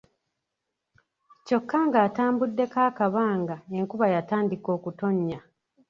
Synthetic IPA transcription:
co̞kːaŋɡaːtaːmbudːe̞kaːkaβaːŋɡaeŋkuβajataːndiko̞ːkuto̞ɲːa

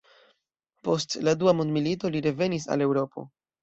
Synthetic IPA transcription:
po̞stladuamondmilito̞liɾe̞ve̞nis̬a̰le̞wɾo̞pʰo̞̰

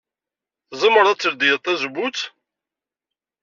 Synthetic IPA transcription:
θzˤəməɾˤæt͡sːəɾd̪ijət̪ˤːæzbut͡s

